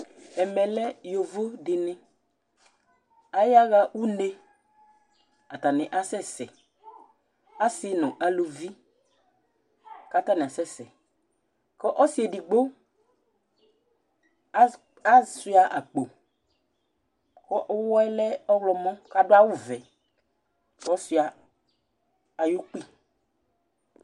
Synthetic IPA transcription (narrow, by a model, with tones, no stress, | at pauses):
ɛ˨mɛ˨lɛ˦jo˨vo˦dɪ˨nɪ̃˦ | a˨˦ja˦ɣa˨ʔu˦ne˦ | a˨ta˨nɪ˨ʔa˦sɛ˦˨sɛ̰˨ | a˦sɪ˨˦nʊ̃˨ʔa˨lo˨vi˦ | ka˦ta˦nɪ˨a˨sɛ˦˨sɛ˨ | kɔ˦ʔɔ˦si˨˦e˨di˨ɡ͡bo˦ | a˦si˦a˨ʔa˨k͡po˨ | kɔ˦ʔɔ˦wɔ˦ɛ˦lɛ˦ɔ˦wlɔ˨mɔ̃˦ka˦dʊ˦a˦wʊ˦vɛ˨ | ɔ˦si˨a˨ | a˨jo˦k͡pi˦˨